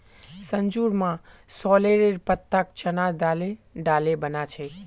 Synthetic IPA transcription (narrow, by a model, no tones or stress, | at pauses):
səɲd͡ʒuɾmã | sɔleɾeɾpət̪ːak̚t͡ʃənad̪aleɖalebənat͡ʃʰe